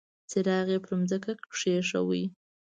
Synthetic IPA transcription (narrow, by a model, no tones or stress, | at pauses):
seɾɑɣepəɾumzəkakʂeʂa̰wḭj